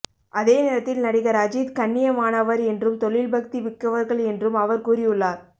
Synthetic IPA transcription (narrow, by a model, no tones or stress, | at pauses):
ʔɐðeːnɛːɾɐt̪ːɪlnɐɽɪɣɐɾɐd͡ʒiːd̪kɐɳːɪjɐmaːnɐʋɐɾɛndrɯmt̪ɔɭɪlbɐk̚t̪iʋɪkːɐʋɐɾɣɐɭɛndrɯmɐʋɐɾkuːrɪjɯɭːaːɾ